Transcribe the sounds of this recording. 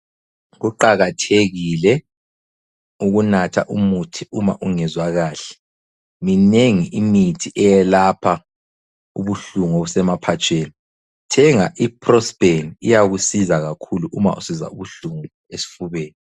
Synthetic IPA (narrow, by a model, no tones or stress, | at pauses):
ɣuǃaɣatʰeɣilɛ | uɣunatʰa̰ʔumutʰiuma̰ʔuŋɛzwaɣaːɬɛ̥ | mineŋiʔimitʰiʔɛjɛlapʰa | ṵβuɬuŋoβusɛmapʰat͡ʃʼʰeːni | tʰɛŋaʔipʰrɔsb̥eniijaɣusizaɣakʰuluʔuma̰ʔṵsiza̰uβuɬuŋu | esi̥fuβɛːni